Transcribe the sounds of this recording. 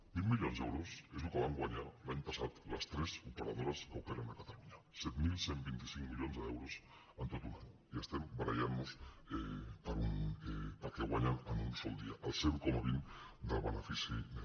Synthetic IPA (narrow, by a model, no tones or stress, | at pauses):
milmiʎonzewɾosezlukeβ̞aŋɡwaɲaɾlaɲpasat̪last̪ɾesupeɾað̞oɾaskawkeɾanakat̪aluɲa | set̪milsembint̪isiŋkmiʎonzðewɾos | ant̪ot̪unaɲu | iest̪embaɾa̰janos | epaɾunepaɾkeɣwaɲananunsold̪iaʔalseɾukomaβind̪alβanafisi